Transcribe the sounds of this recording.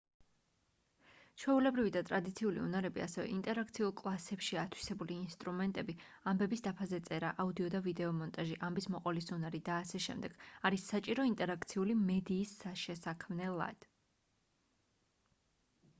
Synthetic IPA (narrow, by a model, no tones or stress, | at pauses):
t͡ʃʰwɛulɛbɾivid̪at̪ʼɾad̪it̪sʰiulḭṵnaɾɛbia̰sɛvɛ̰ʔint̪ʼɛɾak̚ʰt̪sʰiulˠkʼlˠasɛpʃiat̪ʰwi̥sɛbuliːnst̪ʼɾumɛnt̪ʼɛbiambɛbisd̪apʰazɛt̪sʼɛɾaʔaud̪iɔd̪avid̪ɛɔmɔnt̪ʼaʒiʔambismɔqʼɔlisunaɾid̪aːsɛʃɛ̰md̪ɛɡ̥aɾisːat͡ʃʼiɾɔint̪ʼɛɾak̚ʰt̪sʰiulimɛd̪iːsːaʃɛsakʰmnɛlˠa̰d̪̥